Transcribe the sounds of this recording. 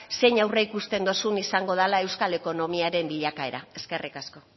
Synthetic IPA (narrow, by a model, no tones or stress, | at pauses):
se̞ɲawreikust̪e̞nd̪o̞sunisaŋɡo̞ð̞alae̞wskale̞ko̞no̞miaɾe̞mbiʎakae̞ɾae̞ske̞rikasko̞